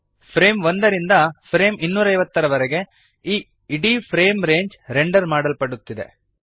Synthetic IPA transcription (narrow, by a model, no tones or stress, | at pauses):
pʰɾeːmʋond̪ɐɾind̪ɐpʰɾeːminːuːɾɐjʋɐt̪ːɐɾɐʋɐɾɛɡe̞ | iː | iɖipʰɾeːmɾeːɲd͡ʒɾeɳɖɐɾmaːɽɐlpɐɽut̪ːid̪e̞̰